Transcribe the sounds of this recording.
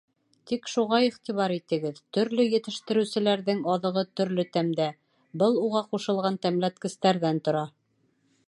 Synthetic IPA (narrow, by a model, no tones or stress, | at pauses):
t̪ikʃuʁɑiχt̪iβɑɾit̪ɘ̆ɡɘðt̪ɵ̆ɾlɵjɘ̆t̪ɘ̆ʃt̪ɘ̆ɾɘ̆sɘ̆læɾðɘŋɑðɤ̆ʁɤt̪ɵ̆ɾlɵt̪æmd̪æ | bɤlˠuʁɑquʃɤ̆lˠʁɑnt̪æmlæt̪̚kɘ̆st̪æɾðænt̪ŏɾɑ